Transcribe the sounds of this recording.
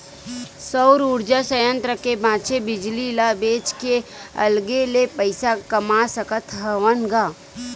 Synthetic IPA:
səʊɾuːɾd͡ʒasəjə̃nt̪ɾəkebãːt͡ʃebɪd͡ʒlilabeːt͡ʃkeɐ̰lɡelepəɪsakɐmasəkət̪ʰɦəʋənɡaː

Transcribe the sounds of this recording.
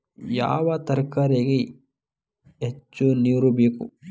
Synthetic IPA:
ja̰ːʋɐt̪ɐɾkaːɾeɡe | et͡ʃːuniɾubeːkṵ

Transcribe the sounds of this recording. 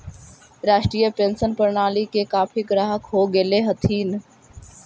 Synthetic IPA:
ɾaːʃʈɾiːjəpẽːnsənpəɾɳaːlikekaːpʰiɡɾaːɦəkɦoɡeːleɦət̪ʰiːn

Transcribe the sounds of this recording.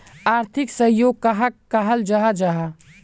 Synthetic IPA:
aːɾt̪ʰɪksəjoːɡ̚kaɦakaɦəld͡ʒaɦad͡ʒaɦa

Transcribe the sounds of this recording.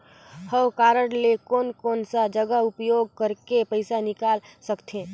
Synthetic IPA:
həwkaːɾəɽlekɔːnkɔːnsad͡ʒəɡəʊpjoːɡ̚kəɾkepəɪsanɪkaːlsəkt̪ʰẽː

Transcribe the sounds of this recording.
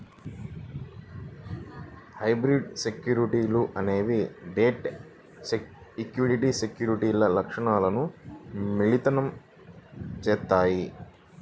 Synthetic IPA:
hɐjbɾiɖsekjuːɾiʈiːluʔɐne̞ːʋiɖeːʈ | ekjuːɾiʈisekjuːɾiʈiːlɐlɐkʂɐɳaːlɐnumiɭit̪ɐnɐm | t͡ʃɛːt̪ːaːji

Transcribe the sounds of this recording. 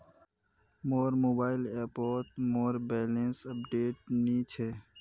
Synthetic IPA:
moːɾmoːbaːɪleːɾpoːʈ̪moːɾbeːlẽnsəp̚ɖeːʈ̚niːt͡ʃʰeː

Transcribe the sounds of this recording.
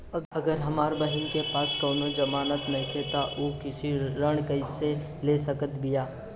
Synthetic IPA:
ɐɡəɾɦɐmaːɾbɐɦɪnkepaːskoːnod͡ʒɐmaːnət̪nɐɦkʰeːt̪aʔoːkɪsiɾəɽ̃kɐɪse | leːsɐkət̪bɪjaː

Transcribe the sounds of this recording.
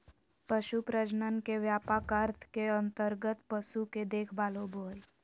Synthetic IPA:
pəʃupɾəd͡ʒnənkeʋjaːpakəɾt̪ʰkeə̃nt̪əɾɡət̪pəʃuked̪eːkʰbaːlobʱoːl

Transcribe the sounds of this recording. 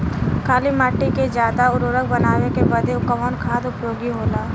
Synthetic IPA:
kʰaːlimaːʈːiked͡ʒjaːd̪aʊɾoːɾək̚bɐnaːʋekebəd̪eʊkəmənkʰaːd̪ʊpjoːɡiɦoːlaː

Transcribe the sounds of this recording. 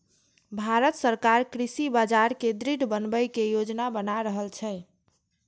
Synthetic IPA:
bʱaɾət̪səɾkaɾkɾisibad͡ʒaɾked̪ɾiɖbənbəjkejod͡ʒnabənaɾəɦəlt͡ʃʰɛ

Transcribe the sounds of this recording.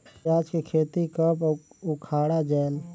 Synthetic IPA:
aːd͡ʒkekʰeːt̪ikəpʊkʰaːɽad͡ʒɛːl

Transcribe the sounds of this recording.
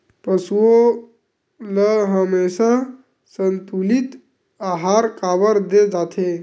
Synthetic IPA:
pəsuo | ləɦəmesa | sənt̪ulit̪ | aɦaɾkabəɾd̪ed͡ʒat̪ʰe

